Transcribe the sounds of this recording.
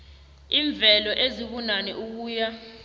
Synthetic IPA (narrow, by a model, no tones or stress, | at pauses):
iːɱb̪vʱɛlɔʔeziɓunanɛʔuk̬uːja